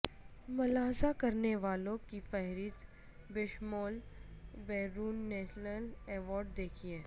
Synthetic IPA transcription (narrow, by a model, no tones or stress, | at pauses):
mʊlaːɦzakɐɾneʋaːlõkifɛɦɾiːt̪ | bɪʃmɔːlbɛːɾuːnːɛːʃnəlɛːʋɔːɾɖ̚d̪eːkʰiɛː